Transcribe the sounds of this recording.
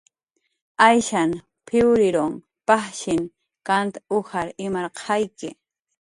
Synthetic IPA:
ajʃan | pʰɪʊɾɪɾoŋ | paχʃɪŋ | kant̪aʊhaɾɪmaɾqʰɑjkɪ

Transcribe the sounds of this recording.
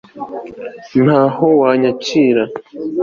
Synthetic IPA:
nhaːhowaɲat͡ʃiːɾa

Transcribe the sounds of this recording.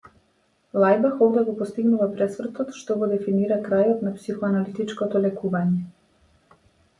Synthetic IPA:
lˠajbaxɔvd̪ɛɡɔpɔst̪iɡnuvapɾɛsvr̩t̪ɔt̪ʃt̪ɔɡɔd̪ɛfiniɾakɾajɔt̪napsixɔanalit̪it͡ʃkɔt̪ɔlɛkuvaɲɛ

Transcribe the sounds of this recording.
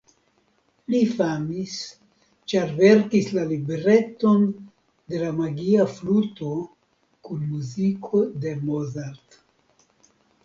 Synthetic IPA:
lifamis | t͡ʃaɾve̞ɾkislalibeɾe̞t̪o̞n | de̞lamaɡiafluto̞ | kunmuzikʰod̪e̞mozaɾt

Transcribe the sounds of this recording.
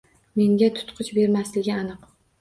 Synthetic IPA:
me̞ŋɡʲat̪ʰʊ̥t̪qʰɨt͡ʃbe̞ɾmaslɪɡʲɪanɨq

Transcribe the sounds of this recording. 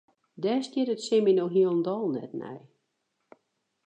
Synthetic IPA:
dɛstjɪɾətsɪminoɦiəlˠəndɔlˠnɛ̰tnɛ̰j

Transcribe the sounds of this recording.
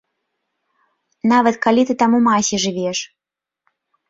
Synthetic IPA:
navɐt̪kalʲit̪ɨt̪amumasʲiʐɨvʲɛʂ

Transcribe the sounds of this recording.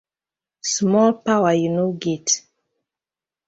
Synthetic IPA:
smɔlpawajunoɡet

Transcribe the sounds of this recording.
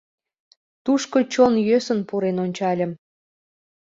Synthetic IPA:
t̪uʃkot͡ɕonjøsənpuɾenonʲt͡ɕɑlʲə̆m

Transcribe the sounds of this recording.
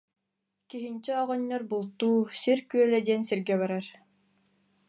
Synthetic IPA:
kiɦint͡ɕɛɔʁɔnːɔɾbulˠt̪uːsiɾkyœlɛd̪iɛnsiɾɡɛβaɾaɾ

